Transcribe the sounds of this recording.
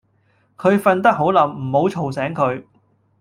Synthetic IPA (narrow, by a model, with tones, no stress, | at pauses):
kʰɵ˨˧ɥfɐ˧nt̪̬ɐ˥k̚ɦo˨˥wlɐ˨˥mm̩˨˩ho˨˥wt͡ʃʰo˨˩wsɛː˨˥ŋkʰɵ˨˧ɥ